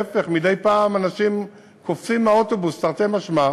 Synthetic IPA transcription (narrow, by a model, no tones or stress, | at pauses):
efe̞χmidejpaːmanaʃim | koft͡simaotobustaʁt̪emaʃma